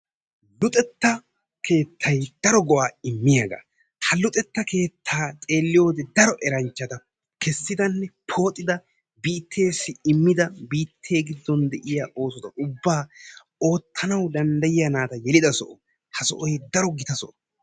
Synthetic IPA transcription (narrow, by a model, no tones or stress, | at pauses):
lʊt̪ʼɛt̪ːɐ | kʰe̞ːt̪ʰːɐjd̪ɐɾɔɡɔwaːɪmːɪjaɡa̰ | hɐlʊt̪ʼɛt̪ːɐke̞ːt̪ʰːaːt͡sʼe̞ːlːɪjo̞ːd̪ɛd̪ɐɾɔʔɛɾɐnt͡ʃːɐd̪ɐ | kɛsːɪd̪ɐnːɛpʰo̞ːt̪ʼːɪd̪ɐ | biːt̪ʰːe̞ːsːɪɪmːɪd̪ɐbiːt̪ʰːe̞ːɡɪd̪ːɔnd̪ɛʔɪjaːʔo̞ːsɔt̪ɐʔʊbːaː | o̞ːt̪ʰːɐnɐwd̪ɐnd̪ɐjɪjɐnaːt̪ɐjɛlɪd̪ɐsɔʔɔ | hɐsɔ̰ʔɔjd̪ɐɾɔɡɪt̪ɐsɔ̰ʔɔ̥